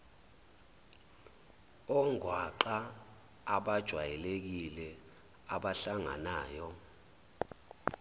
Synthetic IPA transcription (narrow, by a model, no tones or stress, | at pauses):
ɔŋʱwaǃaː | ɓad̥ʒ̥ʱwajɛlek̬ilɛ | aɓaɬaŋa̰naːjɔ